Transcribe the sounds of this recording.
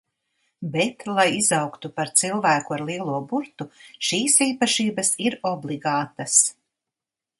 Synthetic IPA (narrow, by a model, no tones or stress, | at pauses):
bɛt̪lˠajizɑwkt̪upaɾt̪silˠvæːkuaɾlˠiɛlˠuɔbuɾt̪uʃiːsiːpaʃiːbasiɾɔblˠiɡaːt̪as